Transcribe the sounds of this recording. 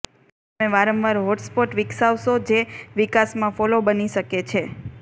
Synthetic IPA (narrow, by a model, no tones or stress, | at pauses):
t̪əmeʋaɾəmʋaɾɦoʈspoʈʋɪksaʋʃod͡ʒeʋikasmãfɔlobəniʃəket͡ʃʰe